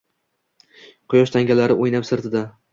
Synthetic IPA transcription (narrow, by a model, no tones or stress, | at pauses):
qʰʊjɒʃt̪ʰaŋɡʲalaɾɪojnapsɪɾt̪ʰɪd̪a